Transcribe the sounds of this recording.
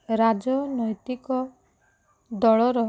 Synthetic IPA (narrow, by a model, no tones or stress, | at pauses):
ɾad͡ʒɔnɔjt̪ikɔ | d̪ɔɭɔɾɔ